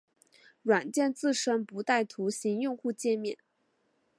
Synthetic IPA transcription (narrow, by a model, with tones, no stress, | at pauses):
ɻwa˨˩nt͡ɕjɛ˥˧nt͡sɹ̩˥˩ʂə˥npu˧˥t̪a˥˩ɪt̪ʰu˧˥ɕi˧˥ŋjʊ˥˧ŋxu˥˧t͡ɕjɛ˥˧mjɛ˥˩˦n